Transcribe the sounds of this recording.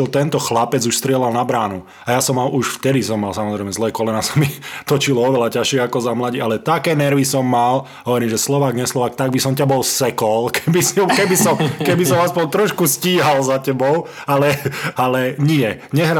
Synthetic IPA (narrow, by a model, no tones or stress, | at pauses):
ilt̪ɛnt̪ɔxlapɛd͡zuʃst̪ɾɪɛlalnabɾaːnu | ajasɔmːaluʃft̪ɛd̪isɔmːalsamɔzɾɛɪmɛzlɛːkɔlɛnasḁmit̪ɔt͡ʃilɔɔʋɛlacaʃɪɛakɔzamlaɟialɛt̪akɛːnɛɾʋisɔmːal | ɦɔʋɔɾiːmʒɛslɔʋaːɡɲɛslɔʋaːkt̪aɡ̚bisɔmcabɔlsɛkɔlkɛbismkɛbisɔmkɛbisɔmaspɔɲt̪ɾɔʃkusciːɦalzacɛbɔʊ | alɛalɛɲɪɛ | ɲɛɦɾa